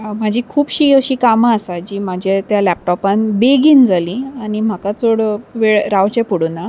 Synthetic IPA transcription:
m̤ad͡ʑʱikʰuːpɕiːəɕiːkaməasad͡ʑiːm̤ad͡ʑʱet̪jalɛp̚ʈɔpanbeɡiːnd͡zaliaɽ̃im̤akat͡soɽʋeɭɾaʋt͡ɕepuɽuna

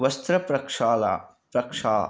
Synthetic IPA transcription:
ʋɐst̪ɾɐpɾɐkʂaːla̰ː | pɾɐkʂa̰ː

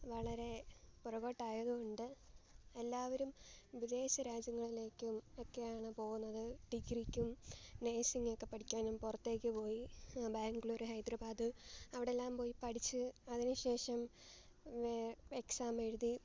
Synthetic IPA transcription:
ʋɐɭɐɾe̞purɐɣo̞ːʈːaːjɐðuoɳɖɨelːaːʋɐɾumʋid̪e̞ːɕɐɾaːd͡ʑjɐŋːɐɭile̞ːkʲːumo̞kːe̞jaːɳɨpo̞ːɣunːɐðɨʈiɡrikʲːumne̞ːsiŋːokːe̞pːɐʈʰikʲːaːnumpurɐt̪ːe̞ːk̬ʲːɨpo̞ːjibaːŋɡiɭo̞ɾuɦɐjd̪rɐbaːd̪ɨɐʋiɽe̞lːaːmpo̞ːjipɐɽit͡ɕːɨɐðinɨɕe̞ːʂɐm | eksaːmeɻuði

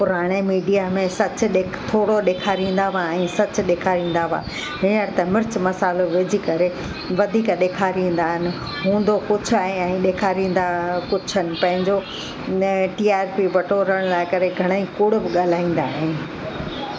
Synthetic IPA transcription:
pʊɾaːɽ̃emiːɖijamẽsɐt͡ɕʊɗeːkt̪ʰoːɽoɗeːkʰaːɾĩːn̆d̪aʋaɛ̃ːsɐt͡ɕʊ̆ɗeːkʰaːɾĩːn̆d̪aʋa̰ː | ɦɪnəɽɪt̪ɐmɪɾt͡ɕmɐsaːloʋed͡ʑʱikɐɾe | ʋɐd̪ʱiːkɗeːkʰaːɾĩːn̆d̪aːɦɪnɪ̆ | ɦũːnd̪okʊd͡ʑʱʊaːɦɪ̃ɛ̃ːɗeːkʰaːɾĩːn̆d̪akʊd͡ʑʱənɪ̆pɐ̃ɦɪ̃ɲd͡ʑo | ʈiːaːɾpiʋɐʈoɾɐɽ̃laːɪkɐɾeɡʱɐɽ̃aikʊɽʊbɪɠaːl̤aːĩːn̆d̪aːɦɪn

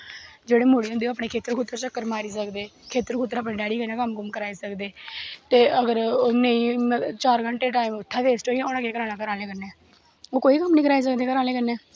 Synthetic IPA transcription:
d͡ʒeːɽeːmoːɽiːʊ̃nd̪eːəpɳeːkʰeːt̪əɾkʰʊt̪ːəɾt͡ʃəkːəɾmaːɾiːsəkd̪eːkʰeːt̪əɾkʰʊt̪̬ːəɾaːpnẽːɖɛːɽiːkənãkəmɡʊmkəɾaːiːsəkd̪eːt̪eːəɡəɾnəĩːt͡ʃaːɾɡəɳʈeːʈaːiːmʊt̪ʰːaːt̪eːsʈoːiãoːnãːkeːkəɾaːnaːkəɾaːleːkəɾneː | oːkoːiːkəmnĩːkəɾaːiːs̬ək̚d̪eːkəɾaːlẽːkəneː

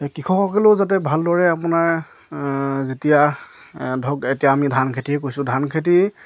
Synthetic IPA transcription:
kixʰɔ̃xɔkɛlozatɛbʱaldɔɹɛapʊnaɹ | zetija | dʱɔɡetijaːmidʱankʰetiɦɛkojsʊ̃dʱankʰet̬i

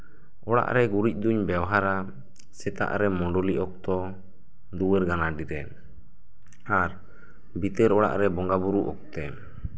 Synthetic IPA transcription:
ɔɽa̰ʔɾɛɡuɾic̚ˀd̪uɲbawɦaɾa | sɛt̪a̰ʔɾɛmɔɳɖɔliʔɔk̚t̪ɔ | d̪uwɛɾɡanaɖiɾɛn | aɾ | bit̪ɛɾɔɽa̰ʔɾɛbɔŋɡabuɾuʔɔ̰k̚t̪ɛ

